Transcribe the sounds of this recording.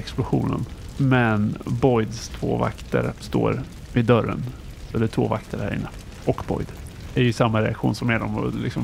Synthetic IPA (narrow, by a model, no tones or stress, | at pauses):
ɛksplʊɧuːnə̰nmɛnbɔjd̪st̪ʰvo̰ːva̰kt̪əɾst̪o̰ːɾ | vɪd̪œɾːən | sɔɛd̪ɛt̪ʰvo̰ːvakt̪ʰəɾhæ̰ɾɪ̰nːə | ɔkbɔ̰jd̪ | æɾjɵsamːaɾɛakɧuːnsɔmɛd̪ɔmɔ̰lɪ̰ksɔm